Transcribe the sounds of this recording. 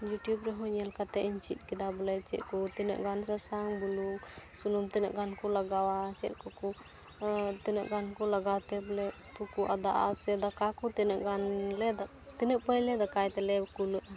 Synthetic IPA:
juʈjubɾɛɦɔɲɛlkat̪ɛʔiɲt͡ʃit̪̚ˀkid̪abɔlɛt͡ʃɛt̪̚kɔt̪ɛnə̰ʔɡansasaŋbuluksunumt̪ɛnə̰ʔɡankɔlaɡawat͡ʃɛ̰t̪̚kɔkɔ | t̪ɛnəʔɡankɔlaɡawt̪ɛbɔlɛ | t̪ukuʔa̰d̪aʔa̰sɛd̪akakɔt̪ɛnəʔɡanlɛd̪a | t̪ɛnəʔpəjɲlɛd̪akajt̪ɛlɛkuləʔa

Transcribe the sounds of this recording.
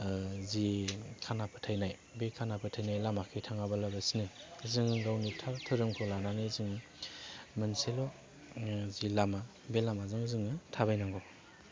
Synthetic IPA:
zikʰanapʰɯtʰajnaj | bekʰanapʰɯtʰajnajlamakʰitʰaŋabalabasinɯzɯŋɯɡawnitʰatʰɯɾɯmkʰɔlananɯzɯŋɯ | manselɔ | zilama | belamazɯŋzɯŋɯtʰabajnaŋɡɔ

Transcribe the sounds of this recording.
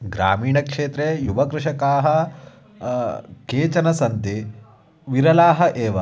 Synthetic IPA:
ɡɾa̰ːmiːɳɐkʂeːt̪ɾeːjubɐkɾɪʂɐkaːɦɐ | keːt͡ʃɐnɐsɐnt̪i | ʋiɾɐlaːɦɐʔeːʋɐ

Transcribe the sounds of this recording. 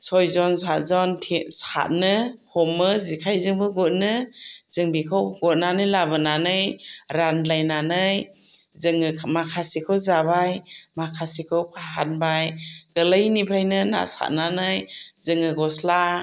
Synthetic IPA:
sɔjzɔnsat̚zɔntʰisa̰t̚nɯhɔmːɯzikʰajzɯŋbɯɡut̚nɯz̥ɯŋbikʰɔwɡɔt̚nanɯjlabɯnanɯjɾanlajnanɯj | zɯŋɯmakʰasikʰɯwzabajmakʰasikʰɯwpʰaɦanbajɡ̥ɯlajnipʰajnɯna̰sa̰t̚nanɯjzɯŋɯɡɔsla

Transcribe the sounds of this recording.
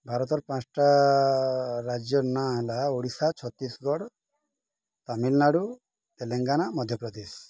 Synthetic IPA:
bʱaɾɔt̪ɔɾpãt͡ʃʈa | ɾad͡ʒjɔnaɦelaoɽisat͡ʃʰɔt̪isɡɔɽ | t̪amilnaɽu | t̪eleŋɡanamɔd̪ʱjɔpɾɔd̪is

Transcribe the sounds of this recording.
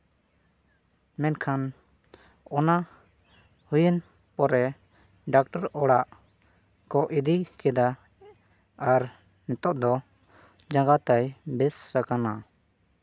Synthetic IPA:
mɛnkʰan | ɔna | hujən | pɔɾɛ | ɖak̚ʈɔɾɔɽaʔ | kɔʔid̪ikɛd̪a | ɾ | nɛt̪ɔʔd̪ɔ | d͡ʒãŋɡat̪ajbɛsɾakana

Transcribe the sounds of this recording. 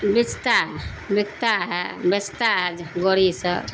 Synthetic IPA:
bit͡ʃt̪a | bikt̪aɦɛbet͡ʃʰt̪aɦɛd͡ʒɡoɽisə

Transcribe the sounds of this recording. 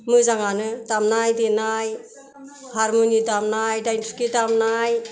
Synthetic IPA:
mɯzaŋanɯdamnajdenaj | haɾmonidamnajdajntʰi̥kidamnaj

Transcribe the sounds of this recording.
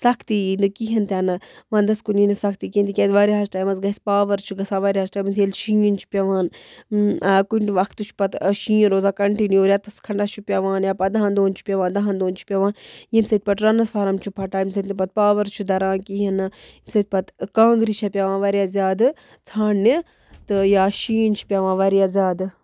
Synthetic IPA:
sɐkʰt̪inɨkiɦɐnt̪ʲaːnɐʋãːnd̪ɐskuninɨsɐk̚ʰt̪ikint̪ikʲet̪ʋaːɾiɦɐsʈaːjmɐnszɡɐsʲpaːʋɐɾt͡ʃʰuɡɐsaːʋaːɾʲiɦɐsʈaːjmɐzjelʃĩjint͡ʃʰu̥pʲɐʋaːn | kunʋɐkt̪ɨt͡ʃʰu̥pɐt̪ʃĩːjiɾoːzaːkɐɳʈinioːɾʲjat̪ɐskʰɐɳɖat͡ʃʰupʲɐʋãːnjaːpɐd̪ɐɦãːnd̪oːnt͡ʃʰu̥pʲɐʋãːnd̪ɐɦand̪oːnt͡ʃʰu̥pʲɐʋaːnjimsɐt̪̚ʲpɐʈɾɐnɐsfʰaːɾɐmt͡ʃʰupʰɐʈaːjims̬ɐt̪ʲnipɐt̪̚paːʋɐɾt͡ʃʰud̪ɐɾãːkiɦɐnɨimsɐt̪̚ʲpɐt̪kãːŋɡɾit͡ʃʰɐpʲɐʋãːnʋaːɾijaːzʲjaːd̪ | t͡sʰaːnːi | t̪ɨjaːʃiːnt͡ʃʰu̥pʲɐʋãːʋaɾijaːzʲaːd̪ɨ

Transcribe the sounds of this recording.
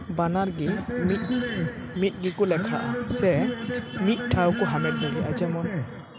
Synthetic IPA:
banaɹɡimit̚ | mit̚ˀɡikʊlɛkʰa̰ʔasɛ | mit̚tʰawkʊɦamɛt̚bɔɡiʔad͡ʒamɔn

